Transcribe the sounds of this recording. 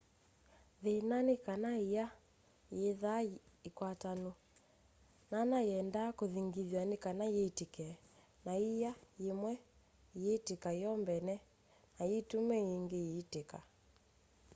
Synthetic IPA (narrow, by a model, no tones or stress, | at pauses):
ðenanekanaija | jeðaikwatano | nanajɛndakoðiŋɡiðjanekanajetekɛ | naijajemwɛ | jetekaijɔmbɛnɛ | najetumɛiŋɡeeteka